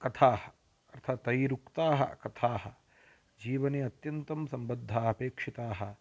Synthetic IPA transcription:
kɐt̪ʰaːhɐ̥ | ɐɾt̪ʰaːt̪ɐjɾukt̪aːɦɐ̰kɐt̪ʰaːɦɐ̆ | d͡ʒiːʋɐneːɐt̪jɐnt̪ɐmsɐmbɐd̪ʱːaːɐpeːkʂit̪aːɦɐ

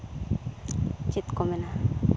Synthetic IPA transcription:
t͡ʃit̪komena

